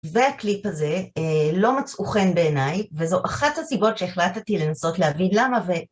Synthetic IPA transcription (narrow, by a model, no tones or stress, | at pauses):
ve̞aklipaze̞lo̞mat͡sʔuχe̞nbe̞ːnajvezo̞ʔaχathasibo̞tʃe̞eχlattile̞naso̞tleɦavinlamave̞